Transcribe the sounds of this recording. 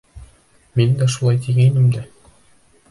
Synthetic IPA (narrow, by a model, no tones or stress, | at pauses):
mind̪æʃulˠɑjt̪iɡæjnɘmd̪æ